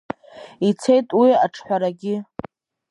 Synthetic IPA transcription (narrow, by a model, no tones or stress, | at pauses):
it͡sʰe̞jtʼwiaʈ͡ʂʰħʷᶣaɾaɡʲɪ